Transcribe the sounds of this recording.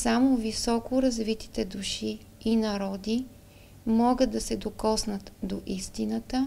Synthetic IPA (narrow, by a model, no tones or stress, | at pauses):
samovisɔkʊɾɐzvit̪i̥t̪ɛd̪uʃiː | nɐɾɔd̪i | mɔɡət̪̚d̪ɐsɛd̪okɔsnət̪d̪oʔist̪inət̪ə